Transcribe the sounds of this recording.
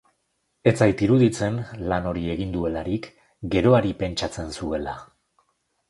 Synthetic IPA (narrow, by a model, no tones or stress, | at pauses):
e̞t͡sajt̪iɾuðit͡se̞nlano̞ɾie̞ɣ̞ind̪ue̞laɾik | ɡe̞ɾo̞aɾipe̞nt͡ʃat͡se̞nsue̞la